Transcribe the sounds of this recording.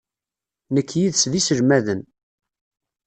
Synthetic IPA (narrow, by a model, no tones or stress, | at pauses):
nəkːjiðsðisəɾmæðən